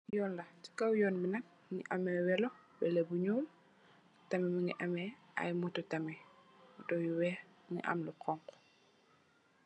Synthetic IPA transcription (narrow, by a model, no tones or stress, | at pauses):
jɔːnlɐti̥kɐwjɔːnbinɐk̚ | ŋḭʔɐmɛwɛlɔ | bɛlebuɲuːm | tɐmɛmiŋiʔɐmɛʔɐ̰jmutɔtɐmɛdɔjuwɛ | ŋḭʔɐ̰mluqɔŋk